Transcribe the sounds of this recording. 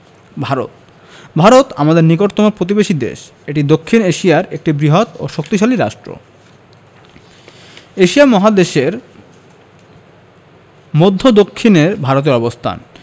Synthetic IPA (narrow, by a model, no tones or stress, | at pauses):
bʱaɾo̰t̪̚ | bʱaɾot̪amad̪eɾnikoɾt̪omopɾot̪̬ibeʃid̪ḛʃ | eʈid̪okʰːineʃijaɾek̚ʈibɾiɦot̪o̰ʃok̚t̪iʃaliɾaʃʈɾo̰ | eʃiamɔɦad̪eʃeɾ | mod̪ʱːod̪okʰːineɾbʱaɾot̪̬eɾɔbost̪ʰa̰n